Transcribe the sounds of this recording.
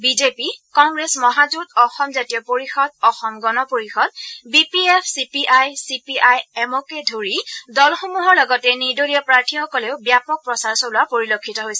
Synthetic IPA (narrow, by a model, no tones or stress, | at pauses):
bizepikɔŋɡɹesmɔɦazudɔxɔmzatijɔpoɹixɔd̚ɔxɔmɡɔnɔpoɹixɔd̚bipiɛpʰsipiʔajsipiʔajɛmɔkɛdʱoɹidɔlxomuɦɔɹlɔɡɔtɛniɹdoliɔpɹaɹtʰixɔkɔleʊbjapɔk̚pɹɔsaɹsɔlʊwapoɹilokʰːitɔɦojsɛ